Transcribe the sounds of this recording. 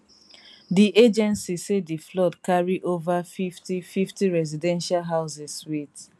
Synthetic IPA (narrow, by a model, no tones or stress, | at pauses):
diʔed͡ʒɛ̃nsisediflɔdkaɹiʔovafiftififtiɹɛzidɛ̃nʃalɦaʊsɛswit